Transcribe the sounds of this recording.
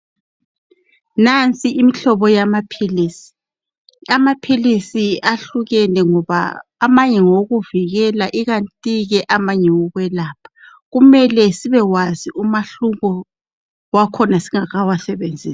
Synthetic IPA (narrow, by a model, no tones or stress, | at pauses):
nant͡sʼiːmiɬɔβɔjamapʰiisi̥ | amapʰilisiaɬuɣɛnɛŋɔβa̰ːmaɲɛŋoɣuviɣɛlaʔiɣantʼiɣɛʔamaɲɛwɔɣwɛlaːpʰḁ | ɣumɛlɛsiβɛwaziʔumaɬuɣɔ | wakʰɔnasiŋaɣawasɛβend͡zʱiːsḁ